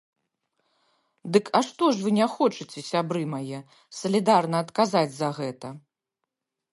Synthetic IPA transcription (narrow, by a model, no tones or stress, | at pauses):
d̪ɨkʰɐʂt̪ɔʂvɨnʲaxɔt͡ʂɨt͡sʲɛsʲabɾɨmajɛ | sɐlʲid̪arnɐːt̪kazad͡zʲzɐɣɛt̪ɐ